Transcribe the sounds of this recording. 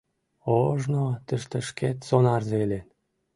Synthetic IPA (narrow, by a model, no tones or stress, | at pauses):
oʒnot̪ə̆ʃt̪ə̆ʃket̪sonɑrzelen